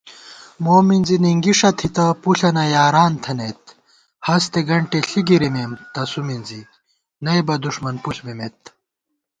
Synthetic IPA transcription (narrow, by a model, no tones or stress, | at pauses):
moːminziniŋɡiʂɐt̪ʰit̪ɐpuɬɐnɐjaːɾaːnt̪ʰɐnet̪ | hɐst̪eɡɐɳʈeɬiɡiɾimeːmt̪ɐsuminzi | nɐjbɐd̪uʂmɐnpuɬmemet̪